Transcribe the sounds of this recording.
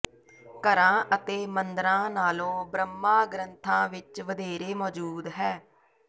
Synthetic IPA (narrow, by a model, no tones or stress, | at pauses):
kəɾãːʔət̪eːmənd̪əɾãːnaːlõːbɾəmːãːɡɾənt̪ʰãːʋɪt͡ʃʋəd̪eːɾeːmɔːd͡ʒuːd̪ɦɛː